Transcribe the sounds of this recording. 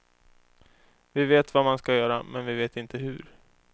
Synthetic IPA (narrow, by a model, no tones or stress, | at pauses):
vɪveːt̪vamanskajœːɾamɛnvɪveːt̪ɪnt̪əɦɵɾ